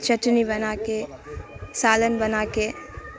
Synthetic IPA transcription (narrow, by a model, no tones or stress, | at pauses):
t͡ʃəʈnibɐnaːke | saːlənbɐnaːke